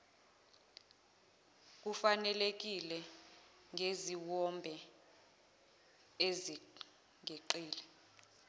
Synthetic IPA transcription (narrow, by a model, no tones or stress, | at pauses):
k̬ufanɛlek̬ilɛ | ŋʱeziwɔmbʱɛ | ezi | ŋʱeǃiːlɛ